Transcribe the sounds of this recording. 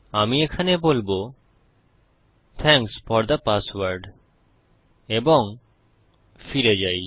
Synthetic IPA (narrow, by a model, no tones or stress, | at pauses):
amiekʰanebolbo | t̪ʰɛŋksfɔɾd̪əpaswaɾɖ | eboŋ | fiɾed͡ʑaj